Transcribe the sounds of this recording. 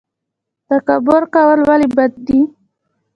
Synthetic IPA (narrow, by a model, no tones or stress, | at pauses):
t̪əkabʊɾkawəlwalibad̪̚ːi